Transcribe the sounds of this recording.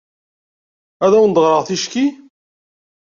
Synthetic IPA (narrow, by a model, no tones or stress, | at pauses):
æðæwnd̪ˤʁɾˤəʁθiʃki